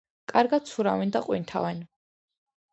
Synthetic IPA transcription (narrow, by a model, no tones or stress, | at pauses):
kʼaɾɡat̪̚sʰuɾavind̪aqʼwint̪ʰa̰vɛn